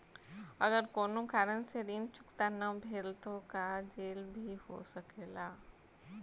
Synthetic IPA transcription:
ɐɡəɾkoːnõkaːɾənseɾiːnt͡ʃʊ̥kt̪anɐbʱeːlt̪õkad͡ʒeːlbʱiɦo̰sɐkeːlaː

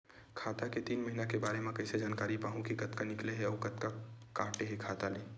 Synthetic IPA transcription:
kʰaːt̪aket̪iːnmɐɦinakebaːɾemẽkɐɪsed͡ʒaːnkaːɾipaːɦũkikɐt̪kanɪkleɦɛɔːkɐt̪kakaːʈeɦekʰaːt̪aleː

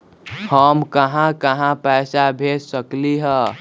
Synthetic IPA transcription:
həmkəɦãkəɦãpəɪsabʱessəkliɦə

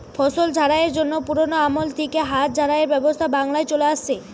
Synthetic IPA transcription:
fʰɔʃold͡ʑʱaɾaeɾd͡ʑonːopuɾonoamolt̪ʰikeɦat̪̚d͡ʑʱaɾaeɾbɛbost̪ʰabaŋlaet͡ɕoleaʃt͡ɕʰe

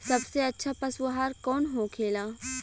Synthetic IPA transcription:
sɐbseɐtːʃʰapɐswɐɦaːɾkɔːnɦokʰeːlaː

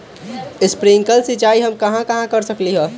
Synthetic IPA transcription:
ɪspɾiŋkəlsit͡ʃaiɦəmkəɦãkəɦãkəɾsəkliɦɛ

